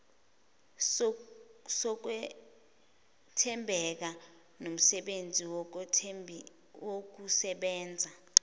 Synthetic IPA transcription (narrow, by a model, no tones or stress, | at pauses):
sɔk̬wɛ | tʰɛmbʱɛk̬a | nom̩sɛɓend͡zʱiwʰʱ | wok̬usɛɓɛːnd͡zʱa